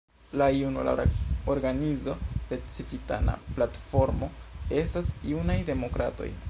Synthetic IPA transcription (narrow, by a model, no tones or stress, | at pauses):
laiunula̰oɾɡanizo̞d̥e̞t͡sifita̰na̰platfo̞ɾmo̞e̞stasiunajde̞mo̞kɾato̞̰j